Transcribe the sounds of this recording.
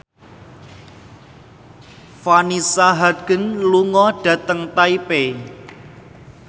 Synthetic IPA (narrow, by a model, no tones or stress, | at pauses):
fanisaɦaɡ̥ə̤nluŋɔɖ̥a̤t̪əŋt̪aipe